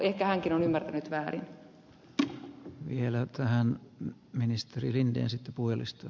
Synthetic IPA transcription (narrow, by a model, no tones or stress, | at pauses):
ehkæhæŋkinonymːært̪ænyt̪ʋæːrin | ʋielæt̪æhæn | minist̪erilindḛːnsit̪ːepuhjɑlḭst̪ɑ